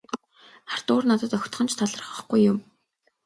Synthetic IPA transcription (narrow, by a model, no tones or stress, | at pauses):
ar̥t̪ʊːrnat̪ə̆t̪œxʲt̪χɞ̆nt͡ɕʰt̪ʰaɮə̆rə̆χə̆χɡujːʊm